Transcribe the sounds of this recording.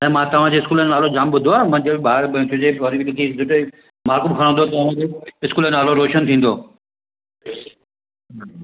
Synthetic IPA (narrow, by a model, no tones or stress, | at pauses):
ɛ̃ːmãt̪ɐʋ̤ãd͡ʑeɪskuːlənnaːlod͡ʑaːmbʊd̪ʱoaːmãd͡ʑɐbɪɓaːɾ̃tʰʊd͡ʑeʋɐɾibilɪkʰizʊʈ | maːɾkʊmkʰɐɾ̃ə̃nd̪ʱot̪ɐɐʋ̤ãːd͡ʑeːɪskuːləaːloɾoːʃənt̪ʰĩːn̆d̪oː